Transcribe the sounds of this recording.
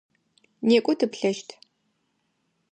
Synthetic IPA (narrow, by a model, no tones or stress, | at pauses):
neːkʷʼʊtʰɨpɬɐʃtʰ